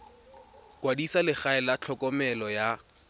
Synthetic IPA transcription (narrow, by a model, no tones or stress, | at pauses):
kʼwadisalɪχaɛlat͡ɬʰɔkʼɔmɛlɔja